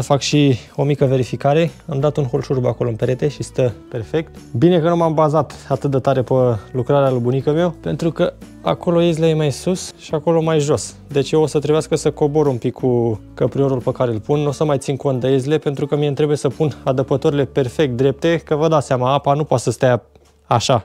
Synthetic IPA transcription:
əfakʃio̞mikəve̞ɾifikaɾe̞amd̪at̪unxo̞lʃurbako̞loɨnpeɾe̞t̪e̞ʃist̪əpe̞rfe̞k̚t̪bine̞kənumambazat̪at̪ɨt̪̚d̪et̪aɾe̞pəlukɾaɾealəbunikəmewpe̞nt̪ɾukə | a̰ko̞lo̞ezilejemajsusʃiako̞lo̞majʒo̞s | d̪e̞t͡ʃʲjewosət̪ɾebeaskəsəko̞bo̞ɾumpikʰːukəpɾio̞ɾulpəkaɾeːlpunːosəmajt̪sinko̞nt̪̚d̪eezile̞pe̞nt̪ɾukəmient̪ɾe̞bujesəpunad̪əpət̪oɾile̞pe̞rfe̞k̚t̪̚d̪ɾe̞p̚t̪e̞kəvəd̪aseamaapanupoat̪səst̪aja | aʃa

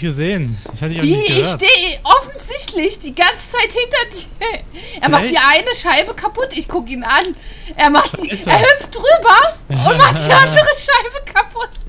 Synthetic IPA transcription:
ɡəzeːnçhaviːɪçʃteːəʔɔfn̩zɪçtlɪçd̥iːɡant͡sə̥t͡saɪthɪntɐdi | ʔeːɐmaχd̥iːʔaɪnəʃaɪbəkʰapʊtɪçkʊkəiːnanʔeːɐmaχtd̥iːeːɐhʏft̚d̥ʁyːbɐʊntmaχtd̥iːʔandəʁəʃaɪbəkʰapʰʊt

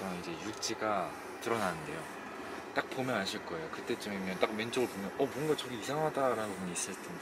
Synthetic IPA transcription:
ʌid͡ʑe̞juɭt͡ɕ͈iɡa | tɯɾʌnanɯnde̞jo | t͈ak̚p͈omjʌnaɕʰiɭk͈ʌe̞jokɯt͈e̞t͡ɕ͈ɯmimjʌnt͈ak̚ment͡ɕ͈oɡɯɭpomjʌnʌmwʌnɡat͡ɕʌɾiisʰaŋɦadaɾanɯbuɲiːs͈ɯɭt͈ʰen

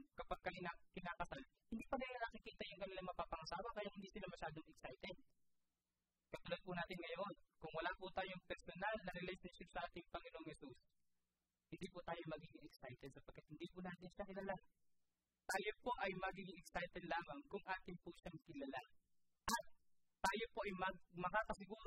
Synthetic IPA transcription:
kɐpaɡ̚kːɐɪnakɪnaːkɐsalhɪnd̪iːpɐnɪlanɐkɪkiːt̪ɐjʊŋkɐnɪlaŋmɐpaːpɐŋɐsaːwɐkɐjaʔhɪnd̪iːsɪlamɐʃaːd̪oŋɛksajt̪ɛd̪̚ | kɐt̪ʊlad̪̚pʊnaːt̪ɪnŋɐjonkʊŋwɐlaːpʊt̪aːjoŋpɛɾsonalnɐɾɪlɛjʃɐnʃɪpsɐʔaːt̪ɪŋpɐŋɪnoʔoŋhɛsus | hɪnd̪iːpʊt̪aːjo̞mɐɡiːɡɪŋɛksajt̪ɛd̪̚sɐpɐɡ̚kːat̪̚hɪnd̪iːpʊnaːt̪ɪnʃakɪlaːla | t̪aːjopo̞ʔɐjmɐɡiːɡɪŋɛksajt̪ɛd̪̚laːmɐŋkʊŋʔaːt̪ɪnpʊʃaŋkɪlala | ʔɐt̪ː | aːjo̞po̞ʔɐjmɐɡ̚mɐkaːkɐsɪɡuːɾ

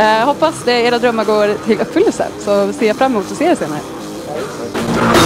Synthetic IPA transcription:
hɔpːasd̪ɛeːɾad̪ɾœmːəɾɡoːɾt̪ʰɪlʔɵpːfʏlːəlsə̰nsɔseːjafɾamːɪmuːt̪ːɔseːəseːnaɾə̰

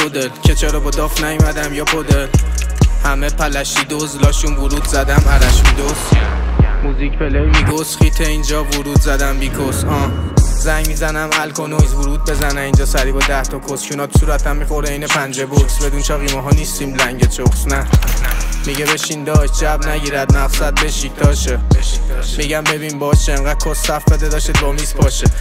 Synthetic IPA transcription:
pʰod̪elcʰet͡ʃʰeɾɔbɒd̪ɒfnæjumæd̪æmjɒpʰod̪elhæmepʰælæʃid̪ozlɒːʃunvuɾuːd̪zæd̪æmæɾæʃmid̪os | muzicpʰelejmikosχiːt̪ʰeind͡ʒɒːvuɾuːd̪zæd̪æmbikʰoshɒzæŋɟmiːzænæmælkʰonozvuɾuːd̪̚be̞zænæiːnd͡ʒɒːsæɾibɒd̪æht̪ʰɒkʰoskʰunɒːt̪ʰu̥suɾæt̪ʰːæmːixo̞ɾd̪einepʰænd͡ʒeboksbe̞d̪unʃɒɣiːmɛɦɒːniːst̪imlæŋɟet͡ʃʰoχsnæ | miɟebe̞ʃind̪ɒːʃd͡ʒævnæɟiːɾæd̪̚mæfsæd̪̚be̞ʃit̪ɒːʃe | miɟæmbe̞biːnbɒːʃeeŋɢæd̪̚kʰosːæfbed̪ed̪ɒːʃid̪̚bɒmiːzpʰɒːʃe

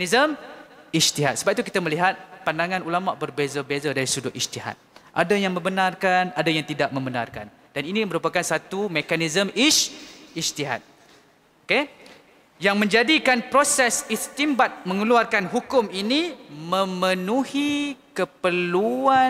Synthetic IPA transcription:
izəmist̪iɦat̪̚səbap̚it̪ukit̪aməliɦat̪̚pandaŋãnulamaʔbərbezabezadaɾisudʊʔist̪iɦa̰t̪̚ʔa̰dajaŋmə̃mbənarkanadajaŋt̪idaʔ̚mə̃mbəna̰rka̰n | d̥aninĩməɾupakansat̪umekanizəmit͡ʃist̪iɦa̰t̪̚ | oke | jaŋmə̃ɲd͡ʒadikanpɾosɛsist̪imbat̪̚mə̃ŋəluarkanɦukʊminimə̃mənũhikəpəlua

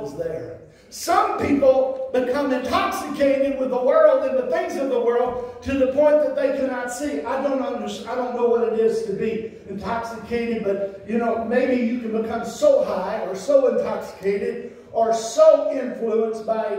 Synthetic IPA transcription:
zðə˞ | sʌ̃mpʰipl̩ˠbɨkʰʌ̃mɨ̃ntʰɑksɨkʰeɪɾɨd̚wɨðəwɜ˞lˠdɨ̃nðɨθɪ̃ŋzʌvðəwɜ˞lˠd̚tʰɨðəpʰɔ̃ɪ̃nðɨt̪̚ðeɪkʰɨnətsiaɪdõʊ̃ntʌ̃ndə˞saɪɾõʊ̃nːoʊwʌɾɨɾɪz̥tʰɨbi | ɨ̃ntʰɑksɨkʰeɪɾɨd̚bʌt̚jɨnoʊmeɪbijɨkɨ̃nbɨkʰʌ̃msoʊhaɪə˞soʊɨ̃ntʰɑksɨ̥kʰeɪɾɪd̚ | ə˞soʊʔɪ̃ɱfluə̃nsb̥aɪ

